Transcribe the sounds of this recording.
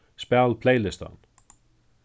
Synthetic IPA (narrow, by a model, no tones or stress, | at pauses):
spɛlpʰleːjlɪst̪a̰n